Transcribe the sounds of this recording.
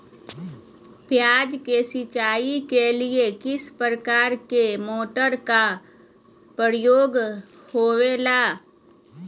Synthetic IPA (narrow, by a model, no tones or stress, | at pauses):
pjaːd͡ʒkesɪt͡ʃaːikeliekɪspəɾəkaːɾkemoːʈəɾka | pəɾjoːɡ | hoːelaː